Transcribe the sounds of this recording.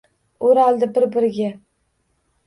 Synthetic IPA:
ʊɾɒlˠd̪ɪbɪɾbɪɾɪɡʲa

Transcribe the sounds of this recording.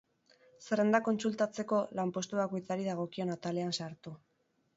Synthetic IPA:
seɾend̪ako̞nt͡sult̪at͡se̞ko̞lampo̞st̪uβako̞jt͡saɾiðaɣ̞o̞kio̞nat̪ale̞ansaɾt̪u

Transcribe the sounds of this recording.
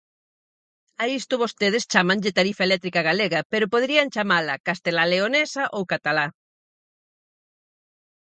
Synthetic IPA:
aist̪ʊβost̪eð̞ɪst͡ʃamaŋʎɪt̪aɾifaelɛt̪ɾikaɣaleɣɐpeɾʊpoðɾiɐŋt͡ʃamalɐkast̪elaleonesɐʔowkat̪ala

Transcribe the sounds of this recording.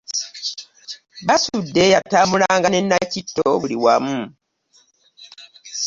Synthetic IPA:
βasudːe̞jatamulaːŋɡane̞nːacitːoβuliwamu

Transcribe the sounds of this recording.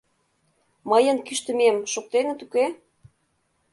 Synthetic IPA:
məjənkyʃt̪ə̆memʃok̚t̪enə̆t̪uke

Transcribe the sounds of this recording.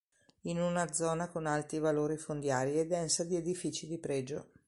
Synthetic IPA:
inunad̪zːɔːnakonalt̪ɾivaloːɾifond̪jaːɾied̪ːɛnsad̪ied̪ifiːt͡ʃid̪ipɾɛːd͡ʒo̰

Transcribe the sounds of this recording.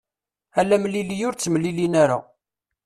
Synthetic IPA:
ælːæmlilijʊɾt͡sːmlilinæɾa̰

